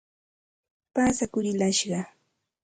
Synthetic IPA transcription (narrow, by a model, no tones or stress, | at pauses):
paːsakʊɾɪlaʃɢɑ